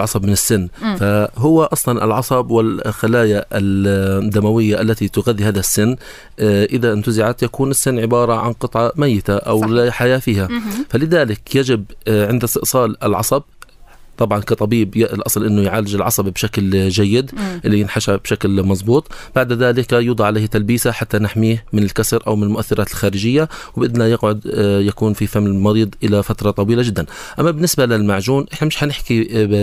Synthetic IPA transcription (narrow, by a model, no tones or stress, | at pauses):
ʕɑsˤɑbmɪnɪsːɪnːfaɦʊwːaʔɑsˤlɑnʔɪ̰lʕɑsˤɑbwɪlxalaːjaʔɪd̪ːamawɪjːaʔalːat̪it̪ʊɣaðːihaːðasːɪnː | ʔɪðaʔɪnt̪ʊzɪʕat̪jakuːnɪsːɪnːʕɪbɑːɾˤɑʕa̰nqɨt̪ˤʕɑmajːɪt̪aʔawlɪħajaːfiːhafalɪðaːlɪkjad͡ʒɪbʕɪnd̪ɪst̪ɪʔsˤɑːlɪlʕɑ̰sˤɑb̚ | t̪ˤɑbʕɑnkat̪ˤɑbiːbjʔɪlʔɑsˤlʔɪnːʊjʕaːlːɪd͡ʒɪlʕɑ̰sˤɑbbʃaklʒajːɪd̪ʔɪlːijɪnħaʃabʃaklmɑzˤbuːt̪ˤb̥aʕd̪ðaːlɪkjuːd̪ˤɑʕaleːhat̪albiːsaħat̪ːanɪħmiːhmɪnɪlkasɾʔawmɪnɪlmʊʔaθːɪɾʔɑːt̪ɪlxaːɾɪd͡ʒɪjːawbʔɪd̪najɪɡʕʊd̪jakuːnfifamːɪmɑɾiːd̪ˤʔɪlafat̪ɾˤɑt̪ˤɑwiːlad͡ʒɪd̪ːanʔamːabɪnːɪsbalɪlmaʕʒuːnʔɪħnamɪʃħanɪħki